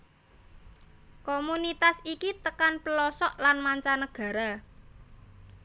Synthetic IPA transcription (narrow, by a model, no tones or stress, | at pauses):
komunit̪asikit̪əkanpəlɔsɔʔlanmaɲt͡ʃanəɡ̥ä̤ɾa